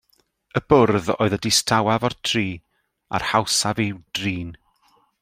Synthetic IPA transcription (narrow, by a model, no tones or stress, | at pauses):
əb̥ʊrðo̰ːɨðədɪstʰawavɔrtʰriː | a̰rhawsaviwd̥riːn